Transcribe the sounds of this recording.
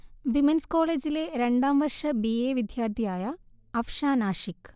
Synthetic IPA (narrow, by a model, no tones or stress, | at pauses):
ʋimɐnskoːleːd͡ʒileːɾeɳɖaːmʋɐɾʂɐbieːʋid̪ʱjaːɾt̪ʰijaːjaː | ɐfʃaːnaːʃik